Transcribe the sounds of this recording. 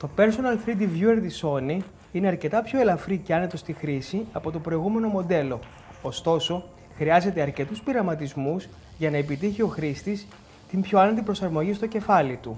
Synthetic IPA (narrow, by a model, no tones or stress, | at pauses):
t̪o̞pe̞ɾsonɐlfɾid̪ivjueɾðiso̞ni | ine̞ɐɾce̞t̪ɐpço̞e̞lɐfɾice̞ɐne̞t̪o̞st̪ixɾisiɐpo̞t̪o̞pɾo̞iɣume̞no̞mo̞d̪e̞lo̞ː | st̪o̞so̞ | xɾiɐze̞t̪e̞ɐɾce̞t̪uspiɾɐmɐt̪izmuz | ʝɐnɐe̞pit̪içio̞xɾist̪is | t̪imbço̞ɐnet̪̬ipɾo̞sɐɾmo̞ʝist̪o̞ce̞fɐlit̪u